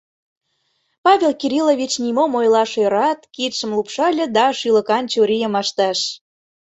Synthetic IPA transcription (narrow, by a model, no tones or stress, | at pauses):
pɑβʲelkiɾʲilovʲit͡ɕnʲimomojlˠɑʃeɾɑt̪kit̪ʃə̆mlupʃɑlʲə̆d̪ɑʃylə̆kɑnt͡ɕuɾʲijə̆mɑʃt̪ɑʃ